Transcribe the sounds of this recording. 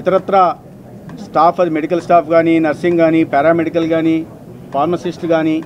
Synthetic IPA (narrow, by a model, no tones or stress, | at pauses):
it̪ɐɾɐt̪ɾa | sʈaːpʰɐd̪imeɽikɐlsʈaːpʰɡaːninɐɾsiŋɡaːnipɛːɾaːmeɽikɐlɡaːniː | pʰaːɾmɐsisʈɡaːniː